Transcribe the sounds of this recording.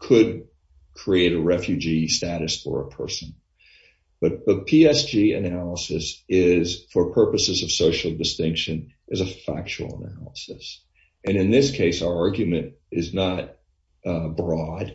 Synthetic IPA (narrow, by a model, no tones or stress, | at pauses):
kʰɨd̚ | kʰɹ̥ieɪɾɨɹɛfjʉd͡ʒistæɾɨsfə̰˞ə̰pʰɜ̰˞sɨ̃n | b̥ʌt̪̚ðʌpʰiɛsd͡ʒiɨ̰nælˠəsɨsɪz̥fə˞pʰɜ˞pɨsɨzʌv̥soʊʃl̩ˠdɨstɪ̃ŋkʃɨ̃nʔɨzəfæ̰k̚t͡ʃul̩ˠə̰næ̰lˠəsɨs | ɨ̃nɨ̃nðɪskʰeɪsaʊə˞ɑɹɡjɨmɨ̃nɪznəɾ | bɹɔd̥